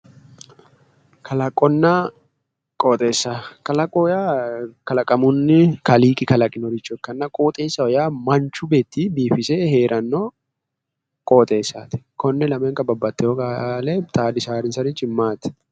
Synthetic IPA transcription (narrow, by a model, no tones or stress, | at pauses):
kʰɐlɐkʼːɔnːɐ | kʼoːt̪ʼe̞ːsːakɐlɐkʼɔjakɐlɐkʼɐmʊnːɪkɐliːkʼɪkɐlɐkʼɪnɔɾɪt͡ʃːʊɛkːɐnːɐkʼoːt̪ʼeːsːɐɔjaːmɐnt͡ʃːʊbeːt̪ːibiːfɪseheːɾʔɐnːo | kʼoːt̪ʼe̞ːsːaːt̪ɪ̥kɔnːɛlɐmɛŋkɐbɐbːɐt̪ːɛjɔkalɛt̪ʼaːd̪ɪsaːɾɪnsɐɾɪt͡ʃːɪmːaːt̪ɪ̥